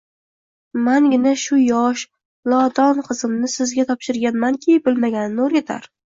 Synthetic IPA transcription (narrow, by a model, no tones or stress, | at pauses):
maŋɡʲɪnaʃʊjɒʃ | lˠɒt̪ɒnqʰɨzɪmnɪsɪzɡʲat̪ʰɒpʃɪɾɡʲanmankʲʰibɪlmaɡʲanɪnːoɾɡʲat̪ʰa̰ɾ